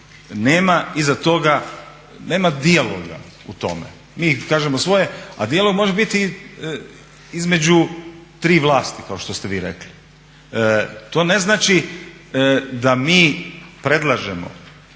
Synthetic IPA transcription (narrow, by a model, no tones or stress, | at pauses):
neːmaizat̪o̞ɡa | ne̞ːmad̪ialo̰ɡa̰ | ut̪o̞̰mḛ | miːkaːʒemosʋo̞jea̰d̪ialˠo̞ɡmo̞ʒebit̪i | izme̞d͡ʑut̪ɾiːʋlˠaːst̪ikaoʃt̪ost̪eʋiːɾḛkli | t̪o̞ːne̞znaːt͡ʃi | d̪amiːpɾe̞d̪lˠaʒemo̰